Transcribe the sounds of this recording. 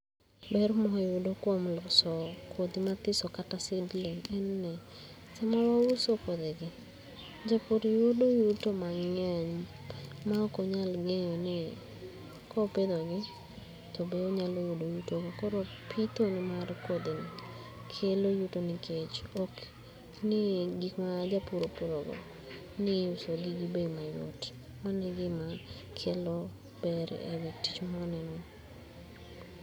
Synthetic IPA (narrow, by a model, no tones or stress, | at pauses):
bɛɾmɔɦɪwodokwomlɔsɔkʰod̪imat̪ɪsɔkataseblenɛnnɛ | sɛmawawusokod̪eɡɪ | d͡ʒapoɾiwodojutomaŋɛɲ | makɔɲalɡeɲɔnɪ | kʰɔped̪ɔɡɪ | tɔbeoɲalojudojutoɡɪkɔɾɔpʰit̪onɪmarkwod̪ɪn | kʰelojutonɪkʰet͡ʃok | nɪɡikmaːd͡ʒapuɾopuɾɔɡɔ̰ | nɪʊsoɡiɡɪbemajʊ̰t | manɪɡɪma | kʰɛlɔ | b̥ɛɾ̰ḛweti̥t͡ʃmaɔnɛnɔ